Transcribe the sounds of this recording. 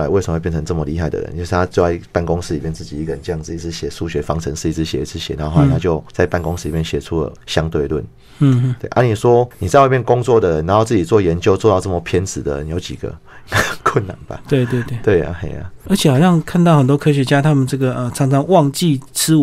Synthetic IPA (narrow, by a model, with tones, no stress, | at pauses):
la˧˥ɪwsm˨˧we˥˧p̬jʰə˧˦nt͡sə˥˩mə˨li˥˧xa˥˩ɪd̪ə̰˩ɻə̰˦nt͡ɕjo˥˧ʂ̩˥˧t̪ʰa˥t͡ɕo˥˧a˥˩i˧pa˥˩nko˧˦ŋsɹ̩˧li˨˩mjɛ˥˧nt͡sɹ̩˥˩t͡ɕi˨˩i˧˥ɡə˨˩ə˨˦nʈ͡ʂɤ˥˧jɑ˥˧ŋs̩˥˧i˧t͡s̩ʰ˧˦ɕjɛ˨˩su˥˩ɕɥɛ˧˥fɑ˦˥ŋt͡sʰə˧˦ŋʂ̩˥˧i˧˥t͡s̩ʰ˧˥ɕjɛ̰˨˩i˧˩t͡sʰɹ̩˧˥ɕjɛ˨˩na˨˧˥t̪ʰa˥t͡ɕjo˥˧ʊt͡sa˥˧ɪpa˥˩nkʊ˦ŋs̩˧˥li˨˩mjnɕjɛ˨˩t͡sʰu˦lə̰˨ɕjɑ˦ŋt̪we˥˧ɪlwə̰˥˩n̩˥˩˥ | t̪we˥˩ɪʔa̰˥ni˨˩ʂwɔ˦ni˨t͡sa˥˧ɪwpjnkʊ˦ŋt͡swɔ˥˩d̪ə˨˩ɻə˦na˧˦nxo˥˧t͡sɹ̩˥˩t͡ɕi˨˩t͡swɔ˥˩jɛ˧˦nt͡ɕjo˥˧ʊt͡swɔ˥˧t̪ɑ˥˧ʊt͡sə˥˩mə˨˩pʰjɛ˥nt͡sɹ̩˨˩d̪ə̰˩˦ni˨jo˧˥t͡ɕḭ˨˩ɡ̥ə̰˩˦ | kʰwə˥˨nːa̰˨˩˦nba̰˨t̪we˥˧ɪt̪we˥˧ɪt̪we˥˩t̪we˥˩ɪa̰˨xḛ˨˦ɪa̰˨ə˧˦˥t͡ɕʰjxa˨ʊɕjɑ˥˧ŋkʰa˥˧nt̪̬ɑ˥˩ʊxə˨˩nt̪wɔ˥kʰɤ˥ɕɥɛ˧t͡ɕja˦t̪ʰa˥mə˨nt͡sɤ˥˩ɡə˩ə˨˩t͡sʰɑ˧˥ŋt͡sʰɑ˧˥˦ŋwɑ˥˨ŋt͡ɕi˥˨t͡s̩ʰ˥u˨